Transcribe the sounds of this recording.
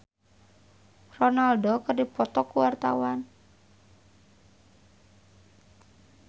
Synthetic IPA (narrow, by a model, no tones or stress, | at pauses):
rɔnaldɔkərdipɔt̪ɔkuwart̪awan